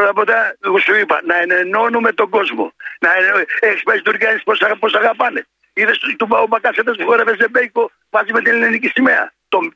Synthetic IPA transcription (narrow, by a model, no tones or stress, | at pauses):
ot̪ɐpot̪asuipɐ̰nɐeneno̞numet̪o̞ɡo̞zmo̞̰nɐeekspest̪uɾkɐnisposaposaɣapɐne | iðest̪ubaopɐkɐset̪ɐspuxoɾevezebejko | mɐzimet̪ilinenikisimeɐ̰t̪om